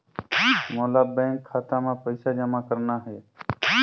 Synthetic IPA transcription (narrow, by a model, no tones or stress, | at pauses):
moːlaːbɛ̃ːŋkʰːaːt̪ãːmãːpəɪsaːd͡ʒəmaːkəɾnaːɦɛː